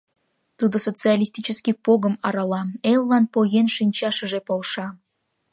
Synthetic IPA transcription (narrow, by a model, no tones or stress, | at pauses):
t̪ud̪osot͡sɨalʲisʲt̪ʲit͡ɕəskʲipoɣə̆mɑɾɑlɑmelˠːɑnpoɣenʃinʲt͡ɕɑʃə̆ʒepolʃɑ